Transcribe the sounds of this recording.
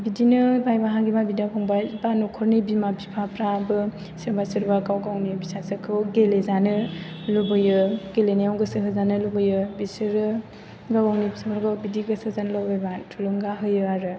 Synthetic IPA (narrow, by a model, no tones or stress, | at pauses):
bidinɯbajbaɦaɡibabidakʰɔŋbajbanukʰɔɾnibimabipʰapɾabɯ | sɯɾbasɯɾbakawɡawnibisasɯkʰɯwɡelezanɯ | lubɯjɯɡelenijawɡɯsɯɦɯzanɯlubɯjɯbisɯɾɯ | ɡawawnibisabaɾɡawbidiɡɯsɯzanlawbajbatʰulɯŋɡaɦɯjɯaɾɯ